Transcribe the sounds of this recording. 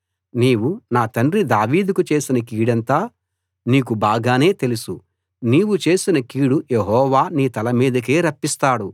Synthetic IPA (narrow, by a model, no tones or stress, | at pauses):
niːwunaːt̪ɐɳrid̪aːʋiːd̪ukut͡ʃe̞ːsinɐkiːɽɐnt̪aː | niːk̬ubaːɡaːne̞ːt̪e̞lusu | niːwut͡ʃe̞ːsinɐkiːɽujeɦɔːʋaːniːt̪ɐlɐmiːd̪ɐk̬eːɾɐpːist̪aːɽu